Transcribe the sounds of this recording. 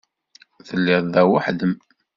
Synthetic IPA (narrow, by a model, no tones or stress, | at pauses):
θəlːɪððæwaħd̪əm